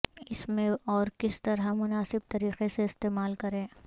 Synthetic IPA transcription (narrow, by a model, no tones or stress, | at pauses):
ɪsmẽɔːɾkɪst̪ɐɾɦamʊnaːsɪb̚t̪ɐɾiːqeseɪst̪eːmaːlkɐɾẽː